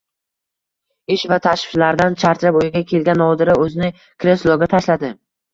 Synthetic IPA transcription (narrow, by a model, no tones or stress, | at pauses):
ɪʃvat̪ʰaʃɪ̥ʃlaɾd̪ant͡ʃʰaɾt̪ɾapojɪɡʲakʲʰe̞lɡʲanːɒd̪ɪɾɪɵzɪnɪ | kʰɾeslˠɒɡʲat̪ʰaʃlad̪ɪ